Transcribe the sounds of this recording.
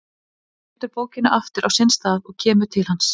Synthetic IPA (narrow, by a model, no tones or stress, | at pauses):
ɛt̪ʏɾpoːwcɪnaʔaft̪ʏɾʔawsɪnst̪aːðɔɣcʰɛːmʏ̥t̪ʰɪlhans